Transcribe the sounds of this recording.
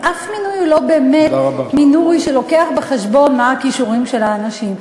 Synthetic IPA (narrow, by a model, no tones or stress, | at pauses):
ʔafminujulo̞beːmetabaminuiʃelo̞ke̞aχbeχeʃbo̞nmaːkiʃuʁimʃe̞laːnaʃim